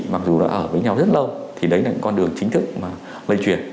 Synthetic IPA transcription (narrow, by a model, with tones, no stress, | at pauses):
ma˨˩k̚zu˨˩ɗa̰ː˧˥ʔəː˧˩vəː˨˦jɲa˧wzə˦˥t̚lə˧wt̪ʰi˨˩ɗə˨˦jlaː˨˩ɲɨ̰˧˥ŋkɔ˧nɗɨ˨˩əŋt͡ɕï˨˦ŋ̟t̪ʰɨ˦˥k̚maː˨˩ | lə̰˧˨t͡ɕwi˧˩ən